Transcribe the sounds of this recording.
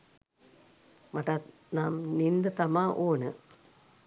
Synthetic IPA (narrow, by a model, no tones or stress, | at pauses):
mɐʈːa | naːmnind̪ɐt̪ɐmaːʔoːnɨ̰